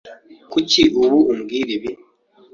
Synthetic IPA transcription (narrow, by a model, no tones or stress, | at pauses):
kuciʔuβuumɡiɾiβi